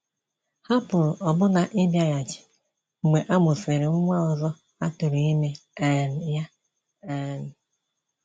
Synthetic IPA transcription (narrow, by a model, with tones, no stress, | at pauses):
ha˦pʊ˨ɾʊ˨ʔɔ˨bʊ˦na˨ʔɪ˦bja˨ja˨t͡ʃɪ̥˨ | ŋ͡m̩˨ɡ͡be˨ʔa˦mʊ˨se˨ɾe˨ŋ͡m̩˦ŋʷa˦ɔ˨zɔ˦ | a˦tʊ˨ɾe˨i˦me˨a˨n̩˨ja˦ | a˨n̩˨